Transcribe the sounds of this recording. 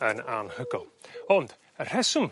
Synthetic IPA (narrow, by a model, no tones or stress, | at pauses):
əna̰nhəɡɔlˠɔnd̥ | ər̥ɛsʊm